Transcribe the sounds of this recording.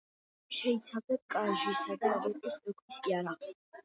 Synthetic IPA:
ʃɛit̪sʰavd̪ɛb̚kʼaʒisad̪aɾɛt̪ʼismɔkʰɾisiaɾaʁs

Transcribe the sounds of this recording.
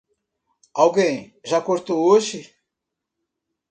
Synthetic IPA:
awɡẽj̃ | ʒakoɾt̪ooʒɪ

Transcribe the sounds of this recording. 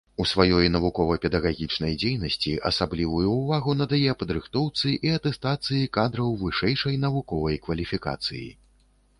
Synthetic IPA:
usvajɔjnɐvukɔvɐpʲɛd̪ɐɣaɣʲit͡ʂnɐjd͡zʲejnɐsʲt͡sʲiʔɐ̰sablʲivujuːvaɣunɐd̪ajɛɐpɐd̪ɾɨxt̪ɔwt̪sɨʔiɐt̪ɛst̪at̪sɨjikad̪ɾɐwvɨʂɛjʂɐjnɐvukɔvɐjkvɐlʲifʲika̰t̪sɨjḭ

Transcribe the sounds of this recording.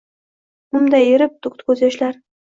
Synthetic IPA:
ʊmd̪ajeɾɪp̚t̪ʰʊkt̪kʰʲɵzjaʃlaɾ

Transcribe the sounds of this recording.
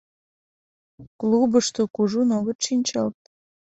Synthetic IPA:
klubəʃt̪okuʒunoɣət̪ʃinʲt͡ɕɑlt̪̚

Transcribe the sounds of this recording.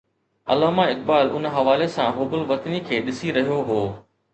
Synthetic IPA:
ɐ̰laːmãɪk̚baːlʔʊnɦɐʋaːlesãɦʊːbʊlʋɐt̪nikʰeːɗɪsiɾɐɦijoɦoː

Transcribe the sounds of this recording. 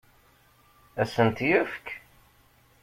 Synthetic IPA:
æsənt̪jəfk

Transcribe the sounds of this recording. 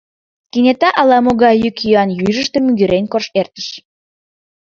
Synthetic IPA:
kinʲet̪ɑʔɑlɑmoɣɑjykjyɑnjyʒəʃt̪emyɣyɾenʲkorʃert̪ə̥ʃ

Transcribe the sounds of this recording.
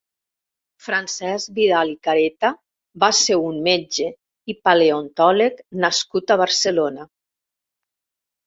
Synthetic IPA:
fɾansɛzbiðalikaɾet̪a | baseunmed͡ʒe | ipaleont̪ɔleknaskut̪aβaɾselona

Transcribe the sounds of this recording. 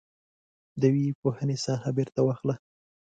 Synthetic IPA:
d̪əwepohənesɑhabeɾt̪awɑxla

